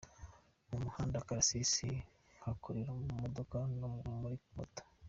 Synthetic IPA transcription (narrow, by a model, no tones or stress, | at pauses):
umuhaːndakaɾasisi | ŋakʰuɾiɾomumod̪okanomuɾimo̰t̪ḁ